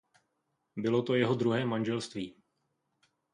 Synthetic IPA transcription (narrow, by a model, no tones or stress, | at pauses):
bɪlo̞t̪o̞jɛɦo̞d̪ɾuɦɛːmanʒɛlst̪viː